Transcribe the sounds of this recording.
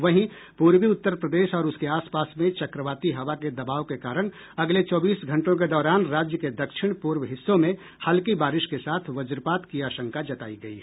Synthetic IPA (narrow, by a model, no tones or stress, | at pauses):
ʋɐɦĩ | puːɾwiʊt̪ːəɾpɾəd̪eːʃɔːɾʊskeaːspaːsmẽt͡ʃɐkɾəʋaːt̪iɦɐʋaked̪ɐbaːʋkekaːɾəɽ̃ | ɐɡlet͡ʃɔːbiːsɡʱɐ̃ɳʈõk̬ed̪ɔːɾaːnɾaːd͡ʒjəked̪ɐkʃɪɽ̃puːɾwɦɪsːõmẽ | halkibaːɾɪʃkesaːt̪ʰʋɐd͡ʒɾpaːt̪kijaːʃə̃ŋkad͡ʒɐt̪a̰ːiɡɐḭ